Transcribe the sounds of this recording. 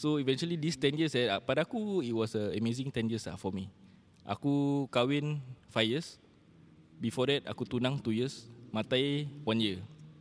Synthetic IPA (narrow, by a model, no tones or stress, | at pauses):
soivɛ̃nt͡ʃualidist̪ɛnjəsɛapadaakuit̚wɔsəəmezɪ̃ŋt̪ɛnjiəsla̰fɔmi | ʔa̰kukawɪnfajjəs | bifɔdɛt̪̚a̰kut̪unãŋt̪ujəsmãt̪ajwãnjə